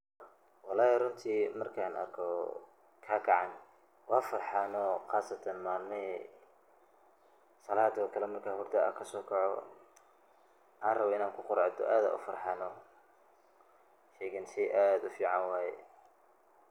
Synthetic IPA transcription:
wɑlaːjrʊnt̪ʰiːmɐrkʰaːnʔɐ̰rkʰɔ | kʰaːkʰɐʕɑn | wɑːfɐrħɑːnɔχaːsɐt̪ʰɐnmaːlnɪ | sɐlaːd̪ɔkʰɐlɛmɐrkʰaːhʊrd̪ʰɐɐ̰kʰɐsɔːkʰɔʕɔ | ʔaːnrɐβɔɪnaːŋkʰʊqʊɾʕd̪ɔ̰ʔaːða̰ːʔʊ̰fɐrħɑːnɔ | ʃɛːɣɐnsʰɛjʔaːd̪ʊfiːʕɑnwaːjɛ̰

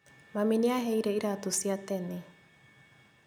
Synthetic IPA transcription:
maminiaɦejɾeiɾat̪usiat̪eni

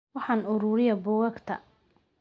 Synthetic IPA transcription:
wɑħɑnʊɾʊːɾɪjɐbʊːɣɐɡt̪ʰɐ̰

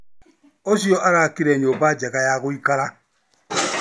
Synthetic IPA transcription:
osiɔʔaɾakiɾɛɲobad͡ʒɛɣajaɣoikaɾa

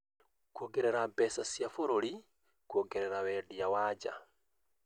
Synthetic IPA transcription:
kwoɡeɾeɾabesasjafoɾoli | kwoɡeɾeɾawedijawad͡ʒa̰

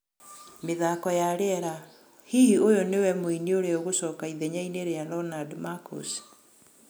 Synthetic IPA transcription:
meðakɔjaɾeɛɾa | hihiojɔnewɛmoinioɾeoɣosɔːkaiðɛɲaineɾeaɾɔnadmako̰s

